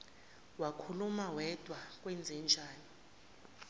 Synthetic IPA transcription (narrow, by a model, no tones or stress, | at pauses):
wakʰulumawɛd̥ʱwak̬ʼwɛnd͡zʱɛnd͡ʒʱaːni